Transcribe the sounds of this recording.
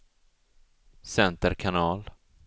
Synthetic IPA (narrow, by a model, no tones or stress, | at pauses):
sɛnt̪əɾkʰanɑːl